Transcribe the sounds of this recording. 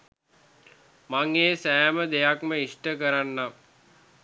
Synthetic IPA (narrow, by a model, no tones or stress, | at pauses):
maŋeːsæːməd̪eɦakməisʈəkəɾanːa